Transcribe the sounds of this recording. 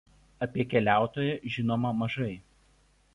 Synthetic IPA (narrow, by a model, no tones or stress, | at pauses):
ɐpʲiɛkʲɛlʲæˑʊt̪oːjɛʒʲɪnoːmɐmɐʒɐɪ